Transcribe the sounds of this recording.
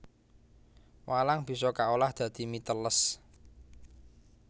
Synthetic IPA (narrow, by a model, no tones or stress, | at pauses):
walaŋb̥i̤sɔkaolahd̪̥ä̤d̪̥i̤mit̪ələs